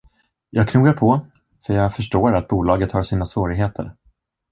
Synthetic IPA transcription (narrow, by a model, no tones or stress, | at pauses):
jɑːɡ̚kʰnuːɡaɾpʰɔ | fœɾjɑːɡfœʂʈoːɾat̪̚buːlɑːɡət̪haʂiːnasvoːɾɪɡɦeːt̪ʰə̰ɾ